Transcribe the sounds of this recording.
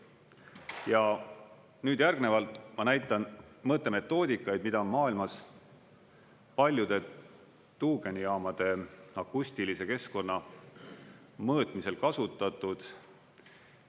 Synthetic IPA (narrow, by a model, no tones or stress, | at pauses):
jɑ | nyːd̪̥jærɡne̞vɑlt̪ˑmɑnæjt̪ːˑɑnmɤt̪ːˑeme̞t̪ːˑo̞ːd̪ikːˑɑjd̪̥mid̪̥ɑonmɑːilmɑs | pɑlʲjud̪̥e̞ | t̪uːɡenijɑːmɑd̪̥e̞ɑkːusʲt̪ilise̞ke̞sko̞nːɑ | mɤːt̪ˑmise̞lkɑsut̪ːˑɑt̪ːˑud̪̥